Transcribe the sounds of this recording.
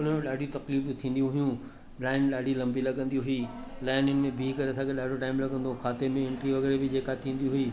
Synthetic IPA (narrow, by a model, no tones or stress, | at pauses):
ʊn̤əmẽɗaːɖʱiũt̪ɐkliːft̪ʰĩːn̆d̪iũɦʊjũ | laːɪnɗaːɖʱilɐ̃mbilɐɠə̃nd̪ijuɦʊiː | laːɪnʊnɪ̆mẽbʱiːkɐɾeɐsãːkʰeɗaːɖʱoʈaːɪmlɐɡə̃n̆d̪okʰaːt̪emẽɪ̃ɳʈɾiʋɐɣɛːɾebɪd͡ʑeːkat̪ʰĩːn̆d̪iũɦʊiː